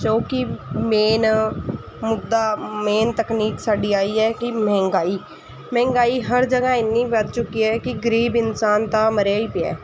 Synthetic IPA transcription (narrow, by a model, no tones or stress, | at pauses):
d͡ʒoːkɪmeːn | mʊd̪ːaːmeːnt̪əkniːksaːɖiːaːiːɛːkɪmɛ̃ːŋɡaːiː | mɛ̃ːŋɡaːiːɦəɾd͡ʒəɡãːɪnːiːpəd̪̚t͡ʃʊkiːɛːkɪɡəɾiːbɪnsaːnt̪aːməɾaːiːpɪɛ̰ː